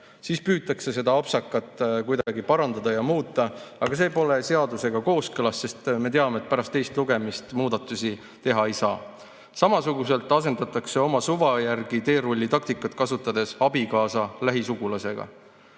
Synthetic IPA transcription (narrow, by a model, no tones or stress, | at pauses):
siːspyːt̪ːˑɑkse̞se̞d̪ɑɑpsɑkːˑɑt̪ːˑkujd̪ɑ̥ɑɡipɑɾɑnd̪ɑd̪̥ɑjɑmuːt̪ˑːɑɑɡ̥ɑs̬e̞ːpo̞le̞se̞ɑd̪use̞ɡɑko̞ːskɤlɑsːe̞st̪me̞t̪eɑme̞t̪̚pæɾɑst̪ːe̞jst̪luɡ̥e̞mist̪muːd̪̥ɑt̪ːˑusi | t̪e̞ɦɑe̞jsɑː | sɑmɑsuɡuse̞lt̪ːˑɑse̞nd̪ɑt̪ːˑɑkse̞o̞mɑsuvɑjærɡ̥it̪e̞ːɾolʲːit̪ɑk̚t̪ikːˑɑt̪kɑsut̪ːˑɑd̪̥e̞sɑbikɑːsɑlæɦisuɡ̥ulɑse̞ɡ̥ɑ̰